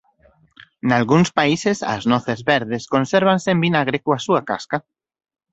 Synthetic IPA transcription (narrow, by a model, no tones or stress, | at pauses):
nalɣunspaisesa̰znɔθezβeɾðeskonseɾβ̞ansembinaɣ̞ɾekoasuaka̰ska